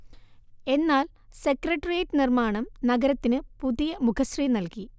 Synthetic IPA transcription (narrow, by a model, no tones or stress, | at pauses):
e̞nːaːl | sekrɐʈːɐrieːʈːɨnirmaːɳɐmnɐɡɐɾɐt̪ːinɨpuðijɐmukʰɐsrijnɐlki